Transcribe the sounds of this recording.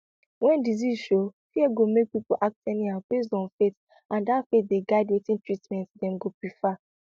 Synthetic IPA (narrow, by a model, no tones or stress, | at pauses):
wɛ̃ndizizʃofiɛɡomek̚pipoʔak̚tɛniab̥es̬dɔ̃nfet | ãndafet̚deɡaɪdwetĩntɹitmɛ̃ntdɛ̃mɡopɹifa